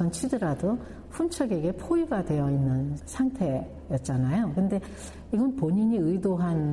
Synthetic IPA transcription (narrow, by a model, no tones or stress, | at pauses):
ʌnt͡ɕʰidɯɾado | ɸʰunt͡ɕʰʌɡe̞ɡe̞pʰoiɡadwe̞jʌinːɯnsʰaŋtʰe̞ | jʌt̚t͡ɕ͈anajokɯnde̞ | iɡʌnpoɲiɲiɯidoɦan